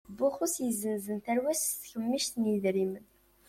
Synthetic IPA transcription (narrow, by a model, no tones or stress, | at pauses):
bʊχʊsjəzːənzənt̪æɾwæsθçəmːiʃt̪njiðɾimən